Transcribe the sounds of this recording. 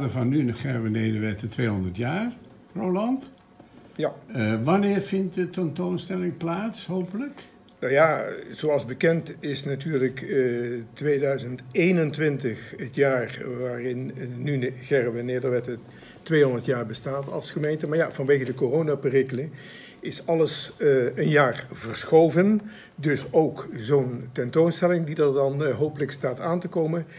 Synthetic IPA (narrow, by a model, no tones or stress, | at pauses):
dəvɑnːynəχɛɹʋənejdəɹʋɛtətʋejɦɔndətjaːɹ | rolɑnt | jaʋanɪːɹvɪnt̚dətɛntownstɛlɪŋplaːtsɦowpələk | nawjaz̥oɑlˠzbəkɛntɪsnatyːɹləkː | tʋejdœɥzəntejnəntʋɪntəxətjaːrʋaːrɪnːyɣɛrʋəneːdəɹʋɛtə | tʋejɦɔndəɹtjaːɹbəstaːtɑ̰lˠsχəmejntəmaːɹjav̥ɑnʋejɣədəkorownapɪrɪklə | ɪsɑləsənjaːɹvəɹsxowvən | dɵsowkzowntɛntownstɛlɪŋdidɑɹdɑnɦowpələkstaːtaːntəkowmən